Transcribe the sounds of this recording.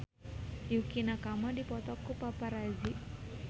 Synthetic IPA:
jukinakamadipɔt̪ɔkupapaɾazi

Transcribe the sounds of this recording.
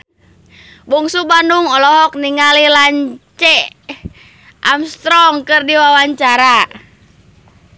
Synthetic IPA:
buŋsubanuŋɔlɔɦɔk̚niŋalilaɲt͡ʃɛ | ʔamst̪ɾɔŋkɨrdiwawaɲt͡ʃaɾa

